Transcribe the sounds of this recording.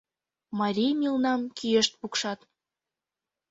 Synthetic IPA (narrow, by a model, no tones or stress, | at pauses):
mɑɾʲijmʲilnɑmkʰieʃt̪̚pukʃɑt̪